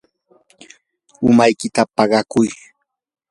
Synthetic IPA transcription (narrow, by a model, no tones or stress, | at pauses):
ʊmajkɪt̪apɑɢɑkʊj